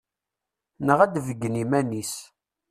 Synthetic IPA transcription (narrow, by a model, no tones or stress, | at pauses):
nəʁæd̪vəɡːənimænis